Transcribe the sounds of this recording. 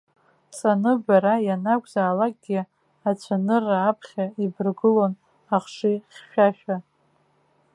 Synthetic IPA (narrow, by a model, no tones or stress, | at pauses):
sʼanɨbaɾajanakʷʼzaːlak̚ʼɡʲɪ | at͡ɕʷʰanɨraːpʰχʲaibɨrɡɨlon | aχʂiχʲʃᶣaʃᶣa